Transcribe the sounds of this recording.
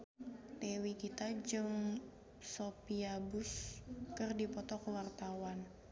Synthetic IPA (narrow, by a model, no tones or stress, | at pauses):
t̪ewikit̪ad͡ʒɨŋ | sopiabʊskɨrdipɔt̪ɔkəwart̪awan